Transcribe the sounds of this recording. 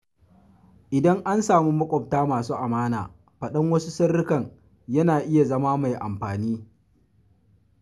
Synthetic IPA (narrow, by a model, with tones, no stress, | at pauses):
ʔɪ˨dɐ˦ŋʔa˦nsaː˨mi˦mɐ˦kʷʼɔ˨p̚taː˦maː˨suː˦ʔa˨maː˦na̰ː˨ | ɸɐ˨ɗɐ˦ŋwɐ˦su˦sɐ˦rːɪ˦kɐ˨ŋ | jɐ˦naː˨ʔɪ˦ja˨zɐ˦maː˦ma˨jʔa̰˨mɸaː˨niː˦